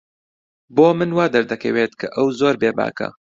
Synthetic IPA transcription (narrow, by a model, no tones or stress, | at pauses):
boːmɨnwaːd̪ɐɾd̪ɐkʰɐ̰weːt̪kʰɐʔɐwzoːɾbeːba̰ːkɐ̰